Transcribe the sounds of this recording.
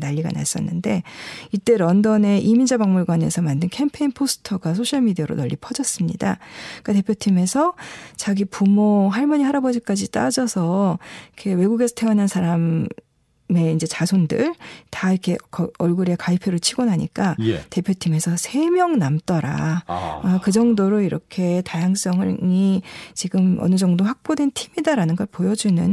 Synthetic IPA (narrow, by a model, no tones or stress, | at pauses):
naʎːiɡa̰na̰s͈ʌ̰nːɯnde̞it͈e̞ɾʌndʌne̞ʔimind͡ʑabaŋmuɭɡwane̞̰sʰʌmandɯnkʰe̞mpʰe̞inpʰosʰɯ̥tʰʌɡas̬ʰoɕʰʌɭmidijʌɾo̰nʌʎːipʰʌd͡ʑʌs͈ɯmɲḭdak͈ate̞pʰjotʰime̞sʰʌt͡ɕaɡipumoɦaɭmʌɲiɦaɾabʌd͡ʑik͈ad͡ʑit͈ad͡ʑʌsʰʌikʰe̞we̞ɡuɡe̞sʰʌtʰeʌnansʰaɾam | me̞ind͡ʑe̞t͡ɕasʰondɯɭtaiɾkʰe̞kʌʌɭɡuɾekaipʰjoɾɯɭt͡ɕʰiɡonɦaɲḭk͈aj̰te̞pʰjotʰime̞sʰʌsʰe̞mjʌŋnamt͈ʌɾa̰akɯd͡ʑʌŋdoɾoiɾʌkʰe̞tajaŋs͈ʌŋɯɭit͡ɕiɡɯmʌ̰nɯd͡ʑʌŋdoɸak̚p͈odwe̞ntʰimidaɾanɯnɡʌɭpojʌd͡ʑunɯ̰n